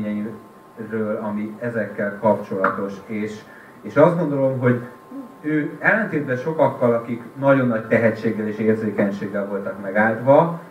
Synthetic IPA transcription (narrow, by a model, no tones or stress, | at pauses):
ɲɛji | røːlɒmiɛzɛkːɛlkɒpt͡ʃo̞lɒt̪o̞ʃeːʃ | eːʃɒzd̪ɡo̞nd̪o̞lo̞mɦo̞ɟ | øːɛlːɛnt̪eːt̪bɛʃo̞kɒkːɒlɒkiknɒɟo̞nːɒct̪ɛɦɛt͡ʃːeːɡːɛleːʃeːrzeːkɛɲʃeːɡːɛlvo̞lt̪ɒkmɛɡaːld̪ʋɒ